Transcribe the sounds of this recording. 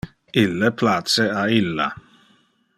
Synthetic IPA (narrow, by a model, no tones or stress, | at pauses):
ɪlːəpʰlat̪səaɪlːa̰